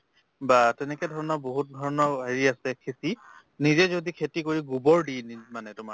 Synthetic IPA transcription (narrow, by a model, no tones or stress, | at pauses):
batɛnɛkɛdʱɔɹɔnɔboɦut̚dʱɔɹɔnɔeɹiasɛkʰesi | nizɛzodikʰetikoɹiɡubɔɹdinimanɛtʊma